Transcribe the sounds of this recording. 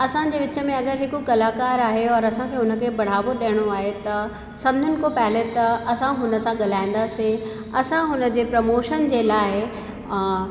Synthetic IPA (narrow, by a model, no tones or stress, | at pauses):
ɐsãd͡ʑeːʋɪt͡ɕə̆mẽɐɡəɾɦɪkukɐlaːkaːɾaːɦeɔːɾɐsãkʰeːʊnə̆kʰeːbɐɽ̤aːʋoɗiəɽ̃oaːɦet̪ɐ | sɐmd͡ʑʱənɪ̆kopɛːlet̪ɐɐsãɦʊnə̆sãɠɐl̤aːĩːn̆d̪aːse | ɐsãɦʊnə̆d͡ʑeːpɾɐmoːʃənd͡ʑeːlaːɪ